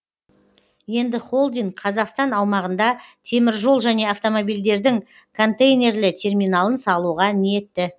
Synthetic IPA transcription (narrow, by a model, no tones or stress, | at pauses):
je̞nd̪ɪχo̞lˠd̪ijɴqʰɑzɑqst̪ɑnɑwmɑʁənd̪ɑt̪ʰe̞mɪɾʒo̞lˠʒæne̞aft̪o̞mo̞bijld̪e̞ɾd̪ɪŋ | kʰo̞nt̪ejnʲe̞rlɪt̪ʲʰe̞rmijnɑlˠənsɑlˠuʁɑnije̞t̪ːɪ